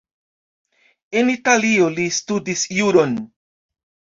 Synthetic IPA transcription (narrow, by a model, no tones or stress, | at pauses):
e̞nitalio̞listudisjuɾo̞n